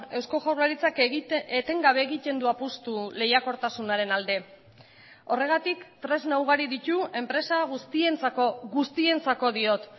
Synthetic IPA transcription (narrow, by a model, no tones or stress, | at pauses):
e̞wsko̞ʝawɾlaɾit͡saket̪e̞ŋɡaβe̞ːɣit̪e̞nd̪uapust̪ule̞jako̞ɾt̪asunaɾe̞nald̪e̞ | o̞re̞ɣ̞at̪ikt̪ɾe̞znawɣ̞aɾiðit̪ue̞mpɾe̞saɣust̪ie̞nt͡sakoɣust̪ie̞nt͡sako̞ðio̞t̪